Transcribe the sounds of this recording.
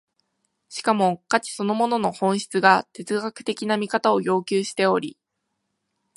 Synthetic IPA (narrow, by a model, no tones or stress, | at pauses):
ɕi̥kamo̞kat͡ɕi̥so̞no̞mo̞no̞no̞hõ̞ɰ̃ɕi̥t͡sɨɡat̪e̞t͡sɨɡakɯ̟̥t̪e̞kʲinamʲikat̪ao̞jo̞ːkʲɨːɕi̥t̪e̞o̞ɾʲi